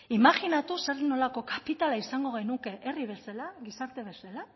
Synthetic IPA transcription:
imaɣinat̪useɾðno̞lako̞kapit̪alaisaŋɡo̞ɣ̞ejnuke̞ʔeriβ̞e̞salaɣisaɾt̪e̞β̞e̞sala

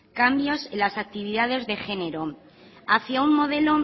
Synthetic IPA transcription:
kambjo̞selasak̚t̪iβ̞iðaðe̞zðe̞xe̞ne̞ɾo̞ | aθjaummo̞ð̞e̞lo̞

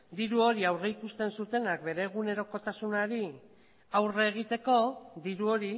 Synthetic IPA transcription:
d̪iɾuo̞ɾiawreikust̪e̞nsut̪e̞nak̚be̞ɾe̞ɣ̞une̞ɾo̞ko̞t̪asunaɾi | awreːɣ̞it̪e̞ko̞d̪iɾuo̞ɾi

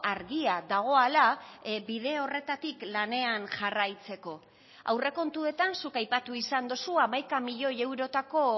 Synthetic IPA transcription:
aɾɣiaðaɣ̞o̞alabið̞e̞o̞re̞t̪at̪iklane̞anʝarajt͡se̞ko̞ | a̰wre̞ko̞nt̪ue̞t̪ansukajpat̪uisand̪osuamajkamiʎo̞je̞wɾo̞t̪ako̞

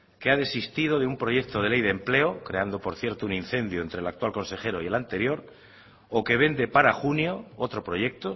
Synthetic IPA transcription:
ke̞aðe̞sist̪ið̞o̞ðeumpɾo̞ʝe̞k̚t̪o̞ð̞e̞le̞jðemple̞okɾe̞and̪o̞po̞ɾθje̞ɾt̪ounin̟θe̞nd̪joent̪ɾe̞lakt̪walko̞nse̞xe̞ɾo̞ie̞lant̪e̞ɾjo̞ɾ | oke̞βe̞nd̪e̞paɾaxunjo̞ot̪ɾo̞pɾo̞ʝe̞k̚t̪o

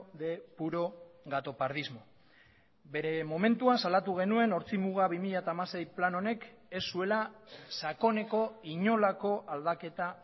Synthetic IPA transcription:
ðe̞puɾo̞ɣat̪o̞paɾðizmo̞ | be̞ɾe̞mo̞me̞nt̪uasalat̪uɣe̞nue̞no̞ɾt͡simuɣ̞aβimiʎat̪aːmase̞jplano̞ne̞ke̞sːue̞lasako̞ne̞ko̞iɲo̞lako̞ʔald̪ake̞t̪a

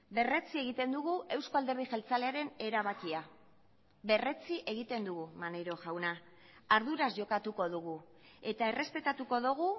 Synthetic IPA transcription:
be̞re̞t͡sie̞ɣ̞it̪e̞nd̪uɣue̞wsko̞ald̪e̞βejxe̞lt͡saleaɾe̞ne̞ɾaβakia | βe̞re̞t͡siʔe̞ɣ̞it̪e̞nd̪uɣumaneɾo̞ʝawnaː | ɾðuɾazʝo̞kat̪uko̞ðuɣ̞u | e̞t̪ae̞re̞spe̞t̪at̪uko̞ðoɣu

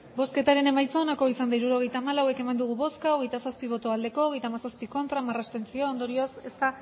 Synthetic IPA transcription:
bo̞ske̞t̪aɾe̞ne̞majt͡saonako̞isand̪aiɾuɾo̞ɣ̞e̞jt̪aːmalawe̞ke̞mand̪uɣ̞uβo̞skaoɣe̞jt̪asaspiβ̞o̞t̪o̞ald̪e̞ko̞ːɣe̞jt̪aːmasaspiko̞nt̪ɾamarast̪e̞nt͡sio̞ːnd̪o̞ɾio̞se̞st̪a

